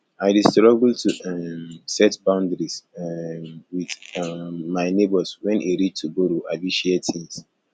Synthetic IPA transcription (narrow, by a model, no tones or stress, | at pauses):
aɪdistɹɔɡltʰumsɛtbãʊ̃ndɹis | wiθ | maɪnebɔswɛ̃nʔiɹit͡ʃtʰuɡoɾuʔaɪdiʃɛtʰĩŋs